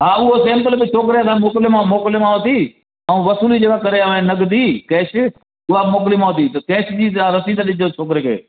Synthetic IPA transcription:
ɦãːʊɦoːsẽːmpəlbɪt͡ʃʰoːk̬ɾejaːt̪ãːmoːklɪmãmoːklemãːɦot̪iː | aũːʋəsuːliːd͡ʒeːkaːkəɾeːaʋẽːnəɡd̪iːkeːʃɪ | ʊɦaːmoːk̬liːmãːɦot̪̬iːt̪əkeːʃd͡ʒiːaːɾəsĩːd̪aɗɪd͡ʒoːt͡ʃʰoːk̬ɾeːkʰḛː

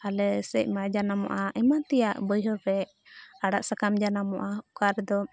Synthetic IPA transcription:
alɛsɛc̚ˀmad͡ʒanamɔ̰ʔaʔɛmant̪ɛjaʔbəjɦɔɾɾɛ | aɽaʔsakamd͡ʒanamɔ̰ʔaukaɾɛd̪ɔ

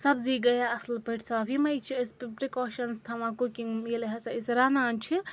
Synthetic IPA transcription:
sɐbziɡɐjaɐslpəʈʰsabimɐjt͡ʃʰiɐsppɾikɔːʃɐnst̪ʰamãkukiŋmilɦɐsaisɾanant͡ʃʰi

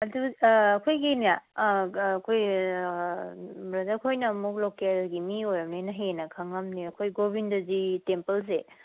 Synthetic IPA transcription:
ɐduːkʰojɡinijaː | kʰoj | bɾɐzakʰojnɐmuk̚lokelɡimiojɐmnenɐɦenɐkʰɐŋɐmniɐkʰojɡobindɐzitempɐls̬e

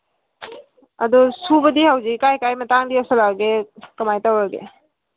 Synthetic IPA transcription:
a̰d̪ɔsubəd̪iɦawzikajkajmataŋd̪iawsalaɡekɐmajtawaɡḛ

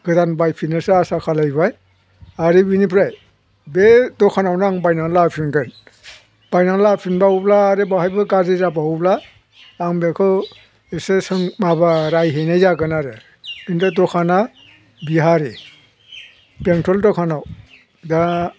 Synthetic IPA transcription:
ɡ̥ɯdanbajpʰinɯsaasakʰalajbaj | aɾibinipʰɾaj | bedɔkʰanawnaŋbajnaŋlapʰinɡɯn | b̥ajnaŋlapʰinbaublaːɾibahajbɯɡazizabauplaː | ŋbekʰɯ | esesɯŋmabaɾajɦejnajzaɡɯnaɾe | intɯtɔkʰana | biɦaɾi | peŋtʰɾɔldɔkʰanaw | da

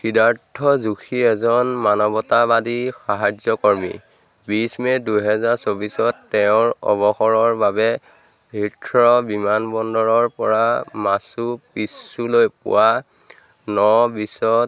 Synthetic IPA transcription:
xidaɹtʰːɔzuxʰiɛzɔnmanɔbɔtabadixaɦazjɔkɔɹmḭ | bismɛdujɦɛzaɹsobisɔtːɛʊ̃ɹɔ̰bɔxɔɹɔɹbabɛ | bʱitʰɹɔbimanbɔndɔɹɔɹpɔɹamasupisulojpʊ̰wa | nɔbisɔt

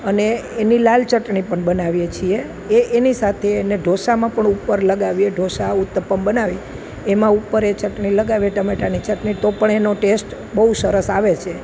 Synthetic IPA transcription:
əneːnilalt͡ʃəʈɳipəɳbənaʋjet͡ʃʰie | eːnisat̪ʰeːneɖʱoʃamãpəɳupːəɾləɡaʋieɖʱoʃaut̪ːəpəmbənaʋi | emãupːəɾet͡ʃəʈɳiləɡaʋieʈəmeʈanit͡ʃəʈɳit̪opəɳenoʈesʈ | bəɦusəɾəsaʋet͡ʃʰe

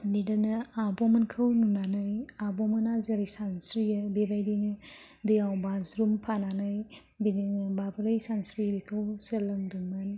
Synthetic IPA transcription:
nidanɯabomɐnkʰəwnunanɯjabɔmɐnazɐɾisansɾijɐbebajdinɯ | dɯjawbazɾumpʰananɯj | bidinɯbabɾɯjsansɾibikʰəwsɯlɐŋdɯŋmɯn

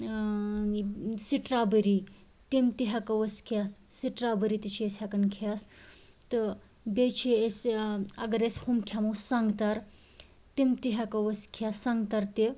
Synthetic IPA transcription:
siʈɾabəɾi | t̪imt̪iɦakɐʋəskʰassiʈɾabəɾit̪it͡ʃʰiesɦakɐnkʰas | t̪ɨ | bet͡ʃʰeesɐɡɐɾeshumkʰamusãŋɡt̪aɾ | t̪imt̪iɦakɐʋəskʰassãŋɡt̪aɾt̪e

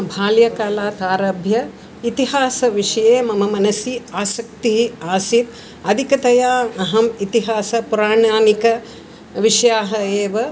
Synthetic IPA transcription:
bʱaːljɐkaːlaːt̪aːɾɐbʱjɐ | it̪iɦaːsɐʋiʂɐjeːmɐmɐmɐnɐsiaːsɐk̚t̪iɦiaːsit̪̚ | ɐd̪ʱikɐt̪ɐjaːɐɦɐmit̪iɦaːsɐpuɾaːɳaːnikɐ | ʋiʂɐjaːɦɐeːʋɐ

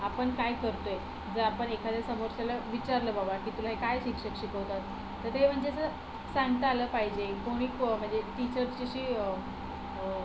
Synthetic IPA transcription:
apəɳkajkəɾt̪oje | d͡zəɾapəɳekʰad̪jasəmoɾsalaʋit͡ɕaɾləːbabakiːt̪ulaɦekajɕikɕəkɕikəʋt̪at̪̚ː | əɾem̤əɳd͡ʑesə | saŋɡt̪əaləːpaɦid͡ʑekoɽ̃iːkm̤əɳd͡zeʈit͡ɕəɾsd͡ʑiɕiː

